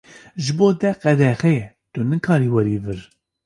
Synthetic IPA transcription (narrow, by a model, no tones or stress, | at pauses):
ʒɨboːd̪ɛqɛd̪ɛxɛ | t̪unɨkʰɑːɾiːwɛɾiːvɨɾ